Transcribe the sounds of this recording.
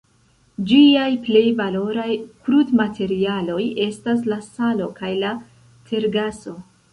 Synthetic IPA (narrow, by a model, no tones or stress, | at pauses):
d͡ʒiajple̞jvalo̞ɾajkɾudmatʰe̞ɾialo̞je̞stas̬lasalo̞kajla | tʰe̞ɾɡaso̞